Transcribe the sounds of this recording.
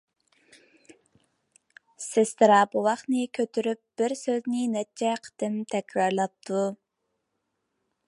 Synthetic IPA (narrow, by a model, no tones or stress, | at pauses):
sest̪ʰɨɾɑbuwɑχnɨkʲʰøt̪ʰyɾyp̚b̥ɪɾsøznɪnɛt͡ʃʰɛqʰə̥t̪ɪmt̪ʰɛkʲɾɑɾlˠɑp̚t̪ʰu